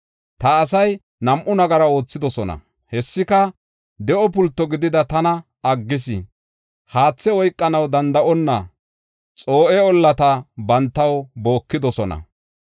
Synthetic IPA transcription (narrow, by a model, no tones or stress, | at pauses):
t̪ɐːsɐj | nɐmʔʊnɐɡɐɾɐo̞ːt͡sːɪd̪ɔsɔnɐ̰ | hɛsːɪkɐ | d̪ɛʔɔpʊlt̪ːɔɡɪd̪ɪd̪ɐt̪ɐnɐ | ɐɡːɪs̬ɪ̰ | haːt͡sːɛɔjkʼːɐnɐwd̪ɐnd̪ɐʔɔnːɐ | t͡sʼo̞ːʔɛɔlːɐt̪ɐbɐnt̪ːɐwbo̞ːkːɪd̪ɔsɔnɐ̰